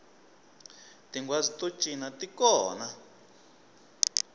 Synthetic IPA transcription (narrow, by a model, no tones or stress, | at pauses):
t̪iŋɡwazit̪ʼu̥t͡ʃʼinat̪ikɔːna